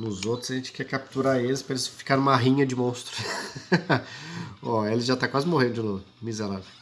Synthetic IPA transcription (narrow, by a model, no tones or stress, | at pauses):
nʊzot̪ɾʊzɐʒẽt͡ʃɪ̥kɛkap̚t̪uɾaelɪspɾɐelɪsfi̥kaɾ̃umaɦĩɲɐd͡ʒɪmõst̪ɾʊ | ɔelɪʒat̪akwazɪmoɦẽd̪ʊd͡ʒɪlomizeɾavew